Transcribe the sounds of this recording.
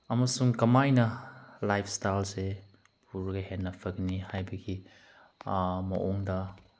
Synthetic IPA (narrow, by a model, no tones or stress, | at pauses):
ɐmɐsuŋkɐmajnɐlajpʰstajlse | pʰuɾɡɐhenːɐpʰɐknihajbɐɡi | mɐ̰ʔoŋdɐ